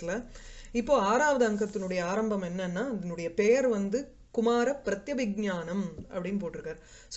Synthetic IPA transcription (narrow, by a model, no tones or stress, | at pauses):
ɪlɐɪpːoːaːɾaːʋɐðɐɐŋkɐt̪ːɪnɯɽɐjɐaːɾɐmbɐmɛnːɐnːaːɐðɐnɯɽɐjɐpɛjɐɾʋɐnd̪ɯ | kʊmaːɾɐpːɪɾɐt̪jɐʋɪɡ̚ɲaːnɐmɐ̰pːɐɽɪnːɯp̬oːʈːɯɾɯkːaːɾ | s